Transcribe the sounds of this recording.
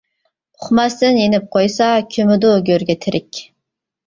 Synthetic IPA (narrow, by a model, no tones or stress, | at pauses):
ʊχmɑst̪ɪnjenɪp̚qʰojsɑkʲʰømɪd̪ʊɡʲøɾɡʲɛt̪ʰɪɾɪkʲ